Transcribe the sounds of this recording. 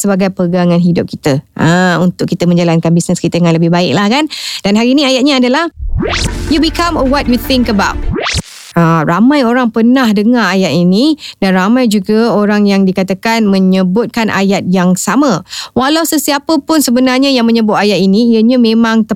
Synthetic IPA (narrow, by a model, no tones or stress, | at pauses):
səbaɡajpəɡaŋãnɦidʊp̚kit̪əʔəunt̪ʊkːit̪əməɲd͡ʒalankanbisnəskit̪əjaŋanləbɪhbaɪk̚lahkand̥anɦaɾiːniajat̪̚ɲaadalah | jubikamɔwɔt̪̚jut̪ɪŋkəbawt̚ | aɾamãjoɾaŋpənahdəŋaajaʔ̪inid̥anramãjd͡ʒuɡaoɾaŋjaŋdikat̪akanmə̃ɲəbʊt̪̚kanʔa̰jat̪̚jaŋsamə̃walawsəsiapəpʊnsəbənarɲəjaŋmə̃ɲəbʊt̪̚ajat̪inĩiəɲəmẽmãŋt̪ə